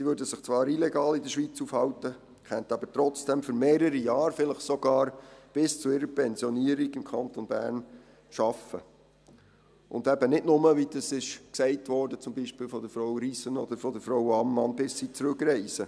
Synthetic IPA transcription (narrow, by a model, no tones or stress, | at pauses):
siʋøːɾdəsɪχt͡sʋɑːɾilɛɡɑːlɪdəʃʋiːt͡sufhɑwtə | kɛnt̪ɑbəɾtɾɔt͡sd̥ɛmføɾmeːɾəɾijɑːɾfɪləχsɔɡ̥ɑːɾb̥ɪst͡suɪɾəpɛnzjɔniəɾiɡɪmkʰɑnt̪onbæːɾn | ʃɑfə | ʔʊ̰nd̪ɛbənɪdnʊməʋid̥ɑsɪʃksɛɪtʋɔːɾdət͡sʊmbiːʃpiːlfɔd̪əɾfɾowɾiːsənɔd̪əɾfɔdəɾfɾowɑmːɑnbɪsːiːt͡sɾʉkɾɛɪsə